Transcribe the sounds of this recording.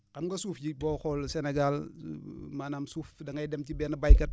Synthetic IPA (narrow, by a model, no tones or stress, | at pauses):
kɐmɡɐsuːfɟibɔːxɔlsɛneɡal | maːnaːmsuːfdɐŋɡɐjdɛmtibɛnɐbajkɐt̚